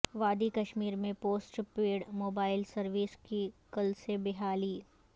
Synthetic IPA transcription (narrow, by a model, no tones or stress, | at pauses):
ʋaːd̪ikɐʃmiːɾmẽpoːsʈpeːɽmoːbaːɪlsɐɾʋiskikɐlsebɪɦaːliː